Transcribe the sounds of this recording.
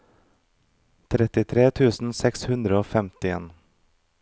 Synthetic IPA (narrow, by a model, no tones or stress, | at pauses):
t̪ʰɾɛt̪ɪt̪ʰɾeːt̪ʰʉːsn̩sɛkshʉnd̪ɾəoːfɛmt̪ɪḛːn